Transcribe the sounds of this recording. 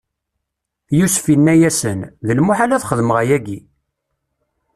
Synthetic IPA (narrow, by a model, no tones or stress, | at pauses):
jusfinːæjæsənðəlmʊħalæθχəðməʁæjæɡi